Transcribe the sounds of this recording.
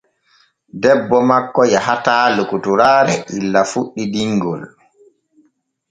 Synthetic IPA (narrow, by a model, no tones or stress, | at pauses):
dɛbːɔmakːɔjaɦataːlukutuɾaːɾɛʔilːafuɗːidiŋɡɔ̰l